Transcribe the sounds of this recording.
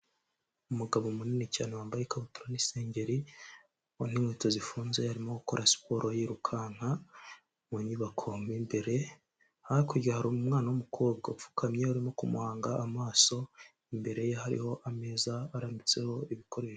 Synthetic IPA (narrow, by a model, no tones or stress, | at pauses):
umuɡaβomuninica̰ːnowaːmbajekaβutuɾanise̞ːɲɟe̞ɾi | onhiŋweːtozifuːnze̞haɾimoɡuko̞ɾʔasi̥po̞ːɾʔojiɾukʰaːn̥ha | muɲuβakʰo̞mimbe̞ɾe̞ | haakoɟaahaɾuumŋaːnawumukʰo̞ːb̚ɡaufu̥kʰamɲe̞uɾimo̞kumuhaːŋɡaʔamaːso̞ | imbe̞ɾe̞jehaɾḭho̞ʔame̞ːzaːɾamit͡se̞ho̞iβikʰo̞ɾe̞ːʃo